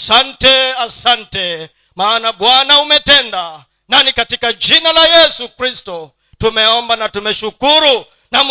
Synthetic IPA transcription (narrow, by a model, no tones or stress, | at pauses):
santɛasantɛ | maːnaɓwanaumɛtɛnda | nanikatikad͡ʒinalajɛsukɾistɔ | tumɛɔmbanatumɛʃukuɾu | nam